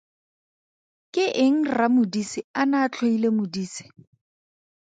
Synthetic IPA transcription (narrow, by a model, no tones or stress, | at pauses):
kʼɪʔɪŋ̩ramʊdisɪanaːt͡ɬʰoilemʊdiːsɪ̥